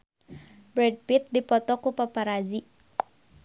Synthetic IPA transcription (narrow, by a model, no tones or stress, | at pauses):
bɾeɖ̚pit̪̚d̪ipɔt̪ɔkopapaɾad͡ʒi